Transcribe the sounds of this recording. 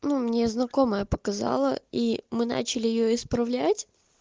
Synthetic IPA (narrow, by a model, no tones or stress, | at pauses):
numnʲe̞znɐko̞məjəpəkɐzɑ̰lˠəimɨna̰t͡ɕɪlʲɪjɪjoɪspɾɐvlʲætʲ